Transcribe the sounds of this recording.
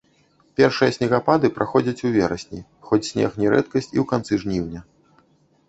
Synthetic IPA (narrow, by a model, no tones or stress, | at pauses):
pʲɛrʂɨjɐsʲnʲɛɣapad̪ɨpɾʔaxɔd͡zʲɐt͡sʲuvʲɛɾɐsʲnʲi | xɔt͡sʲsʲnʲɛ̰xnʲɛɾɛt̪kɐsʲt͡sʲḭwkant̪sɨʐnʲiwnʲɐ